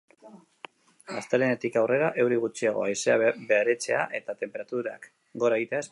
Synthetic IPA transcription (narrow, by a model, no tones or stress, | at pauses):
ast̪elenet̪ikawre̞ɾaʔe̞wɾiɣut͡ʃiaɣ̞o̞̰ajse̞abeaɾe̞t͡se̞aʔe̞t̪at̪e̞mpe̞ɾat̪uɾaak | ɡo̞ɾaeɣit̪e̞aes